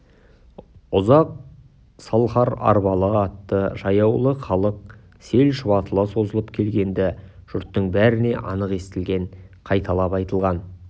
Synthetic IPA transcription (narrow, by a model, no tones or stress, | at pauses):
ʊzɑq̚ | sɑlˠχɑɾɑ̰ɾbɑlˠəɑt̪ːəʒɑjɑwlˠəχɑlˠəq̚ | se̞lʃɪβɑt̪əlˠəso̞zəlˠəpkʲʰe̞lɡʲe̞nd̪ɪʒ̥ʊɾt̪ːəɴbæɾɪne̞ʔɑnəqe̞st̪ɪlɡʲe̞ɴqʰɑjt̪ɑlˠɑpɑjt̪əlˠʁɑn